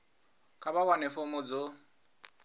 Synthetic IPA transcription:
kʼabawanɛfomʊd͡zo

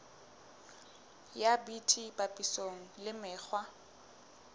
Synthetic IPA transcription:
jabitʰibapʼisoŋ̩lɪmɪːk͡xwa

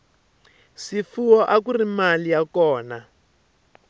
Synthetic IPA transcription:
sifuwɔʔakurimalijakɔːna

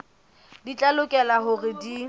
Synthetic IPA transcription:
dit͡ɬʼalʊkʼɛlaɦʊrɪdi

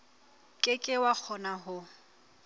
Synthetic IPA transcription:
kʼɪkʼɪwak͡xʰɔnaɦʊ

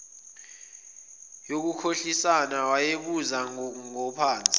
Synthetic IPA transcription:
jok̬ukʰoɬisanawajeɓuzaŋɔpʰaːnt͡sʼi̥

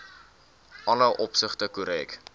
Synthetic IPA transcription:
ʔɐnɐʔɔpsəχtəkuɾɛːk

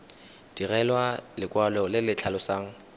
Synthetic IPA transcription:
d̥irɛlwalɪkʼwalɔlɪlɪt͡ɬʰalɔsaːŋ̩

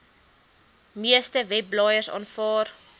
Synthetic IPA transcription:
miəstəvɛb̚lɑːjərsɑ̰ːnfɑːr

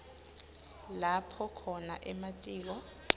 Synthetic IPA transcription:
lapʰɔkʰɔna̰ʔɛmatʼiːk̬ɔ

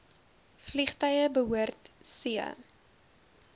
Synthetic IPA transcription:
fliχtœjəbəɦuərtsiə̰

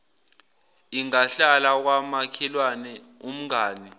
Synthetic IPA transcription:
iŋaɬalak̬wamakʰɛlwanɛ | um̩ŋaːni

